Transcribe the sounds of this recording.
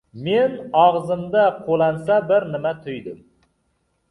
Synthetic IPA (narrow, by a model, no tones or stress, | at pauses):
menɑʁzɨmd̪aqʰolˠɑnsabɪɾnɪmɛt̪ʰʊjd̪ɪm